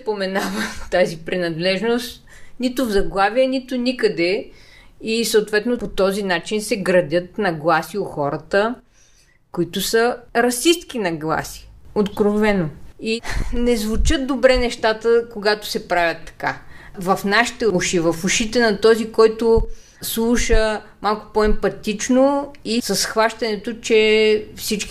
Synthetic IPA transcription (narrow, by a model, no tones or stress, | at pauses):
pomɛnavət̪azipɾinɐd̪lɛʒnost̪nʲit̪ʊvzɐɡlˠaviɛnit̪ʊnikəd̪ɛ | isəʊt̪vɛt̪nopot̪ɔzinat͡ʃinsɛɡɾɐd̪ʲət̪nɐɡlˠasioxɔɾət̪ə | kʊit̪ʊsəɾɐsist̪k̟inɐɡlˠa̰si̥ot̪kɾovɛnoinɛzvut͡ʃət̪̚d̪obɾɛnɛʃt̪at̪əkoɡat̪ʊ̥sɛpɾavʲjɐt̪ːɐ̥ka̰vɐfnaʃi̥t̪ɛuʃivɐfuʃit̪ɛnɐt̪ɔzikɔjt̪ʊ | slˠuʃə | malˠkʊ̥pɔɛmpɐt̪it͡ʃnoisɐsxvaʃt̪ɐnɛt̪ot͡ʃɛfsit͡ʃk